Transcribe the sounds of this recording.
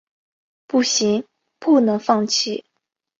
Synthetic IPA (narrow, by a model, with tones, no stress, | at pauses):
pu˥˩ɕi˧˥ŋ | pu˥˩nɤ˧˥ŋfɑ˥˧ŋt͡ɕʰi˥˩